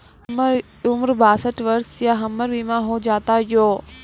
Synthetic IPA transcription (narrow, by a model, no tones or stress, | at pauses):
ʊmɾbaːsəʈʋəɾsjaɦəməɾʋimãɦod͡ʒaːt̪ajoː